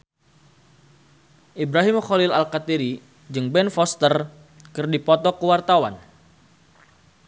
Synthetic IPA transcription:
ʔibɾaɦimxolɪlalkat̪iɾi | d͡ʒɨŋbɛnfɔst̪ər | kɨrdipɔt̪ɔkəwart̪awan

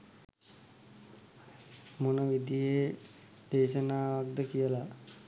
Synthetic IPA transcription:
munəʋid̪ije | d̪̥eːʃənaːʋak̚d̪əkijəla

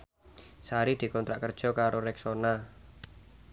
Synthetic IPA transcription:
saɾid̪̥i̤kɔnt̪ɾaʔkərd̥ʒ̥ɔ̤kaɾoɾɛksona

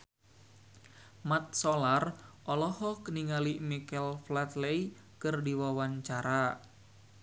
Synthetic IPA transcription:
mat̪̚sɔlarʔɔlɔhɔkniŋalimikɛlflat̪lej | kɨrdiwawaɲt͡ʃaɾa

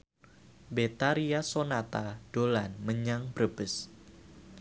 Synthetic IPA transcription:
bet̪aɾiasonat̪ad̥olanməɲaŋb̥ɾəb̥əs

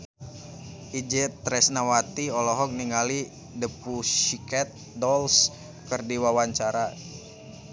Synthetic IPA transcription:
ʔid͡ʒɛt̪ɾɛsnawat̪iɔlɔɦɔk̚niŋali | dəpuʃikɛt̪̚dɔls | kərdiwawaɲt͡ʃaɾa

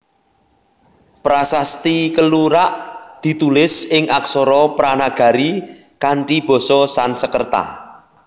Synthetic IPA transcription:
pɾasast̪ikəluɾaʔd̪̥i̤t̪ulɪsɪŋʔaksɔɾɔpɾanaɡ̥a̤ɾi | kaɳʈib̥ɔ̤sɔsansəkərt̪a̰

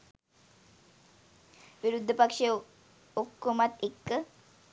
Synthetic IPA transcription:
ʋiɾud̪ʱːəpakʂe | okːomat̪ekːə

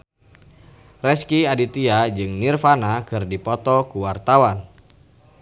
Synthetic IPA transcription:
rɛskiadit̪iad͡ʒɨŋnirfanakɨrdipɔt̪ɔkuwart̪awan

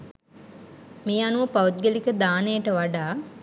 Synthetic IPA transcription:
meːanuʋəpaut̪̚ɡelikəd̪aːnejəʈəʋaɖaː

